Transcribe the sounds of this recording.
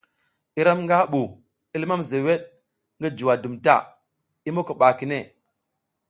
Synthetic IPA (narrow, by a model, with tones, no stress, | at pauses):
i˦ɾa˦mŋɡa˦ɓu˨ | i˦lma˦mze˨we˦ɗ̚ | ŋɡi˦d͡ʒu˨wa˨du˨mta̰˦˨ | i˦mo˦kə˨ɓa˨ki˨ne˦˨